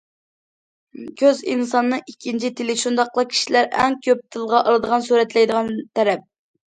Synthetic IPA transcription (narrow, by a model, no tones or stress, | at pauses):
kʲʰøzḭnsɑnːɨikʲʰːint͡ʃʰit̪ʰɪlɪʃund̪ɑqlˠəkʲʰi̥ʃilæɾɛŋkʲʰøp̚t̪ʰɨlˠʁɑʔɑlˠɨd̪əʁɑnsuɾɛt̪lɛjd̪əʁɑnt̪ʰɛɾɛp̚